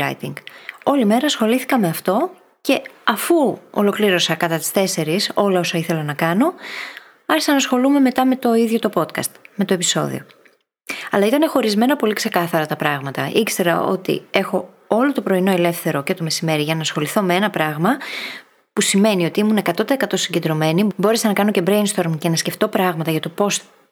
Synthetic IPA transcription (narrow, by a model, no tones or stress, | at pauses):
ɐ̰jt̪iŋɡo̞lime̞ɾɐsxo̞liθi̥kɐme̞ɐft̪o̞ | ce̞ɐfuo̰lo̞kliɾo̞sɐkɐt̪ɐt̪i̥st̪e̞se̞ɾiso̞lɐo̞sɐiθe̞lɐnɐkɐno̞ | ɐɾçisɐnɐsxo̞lume̞me̞t̪ɐme̞t̪o̞iðʝo̞t̪o̞po̞t̪kɐ̰st̪me̞t̪oepi̥so̞̰ðḭo̞̰ | ɐlɐit̪ɐne̞xo̞ɾizme̞nɐpo̞likse̞kɐθɐɾɐt̪ɐpɾɐɣmɐt̪ɐ̰ʔikse̞ɾɐ̰o̞̰t̪ḭe̞xo̞ | o̞lo̞t̪opɾo̞ino̞ele̞fθe̞ɾo̞ce̞t̪o̞me̞sime̞ɾiʝɐnɐsxo̞liθo̞meenɐpɾɐɣmɐ | pusime̞nio̞t̪iimune̞kɐt̪o̞t̪eːkɐt̪o̞siɲɟend̪ɾo̞me̞nibo̞ɾe̞sɐnɐkɐno̞ce̞bɾeinst̪o̞ɾmce̞nɐsce̞ft̪o̞pɾɐɣmɐt̪ɐʝɐt̪o̞po̞s